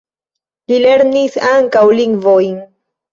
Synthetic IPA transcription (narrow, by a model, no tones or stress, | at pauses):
lile̞ɾnisaŋkawliŋɡvojn